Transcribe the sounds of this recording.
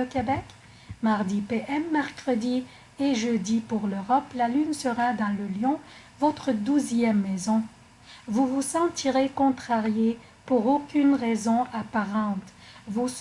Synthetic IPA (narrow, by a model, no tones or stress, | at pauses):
əkʲebɛk | maʁd̪ipeʔɛmːɛʁkχəd̪i | eʒød̪ipuʁløʁɔplalynsəʁad̪ɑ̃ləljɔ̃ | vɔt̪χəd̪uzjɛmːezɔ̃ | vuvusɑ̃t̪iʁekɔ̃t̪χaʁje | puʁokʲynʁezɔ̃apaʁɑ̃t̪ | vu